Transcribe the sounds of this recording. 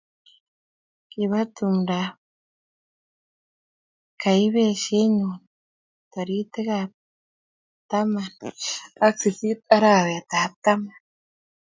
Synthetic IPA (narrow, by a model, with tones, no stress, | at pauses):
kiβa˦t̪umɾa | ka˨jβe˦ʃe˦ɲun | t̪a˨ɾi˦t̪e˦kap̚ | t̪a˦mana˦k̚si˨θi˦t̪a˦ɾaβeat̪a˨p̚t̪a˦man